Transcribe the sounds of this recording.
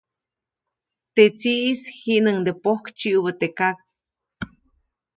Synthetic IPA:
t̪et͡siʔishiʔnəŋd̪epohkt͡ʃiʔubət̪ekak̚

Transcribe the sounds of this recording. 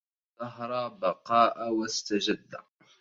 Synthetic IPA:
ðɑɦɾˤɑːbɑqɑːʔawast̪ad͡ʒad̪ːa

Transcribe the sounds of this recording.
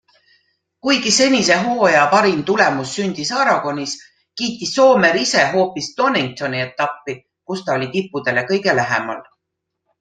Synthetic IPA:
kujɡise̞nʲise̞ɦo̞ːjɑpɑɾimt̪ulemusːynʲd̪̥isɑɾɑɡ̥o̞nʲis | kiːt̪ːisːo̞ːme̞ɾise̞ɦo̞ːpisd̪̥o̞niŋ̚t̪o̞niet̪ˑːɑpːi | kust̪ɑo̞lʲit̪ipːˑud̪̥e̞le̞kɤjɡe̞læɦḛmɑ̰l

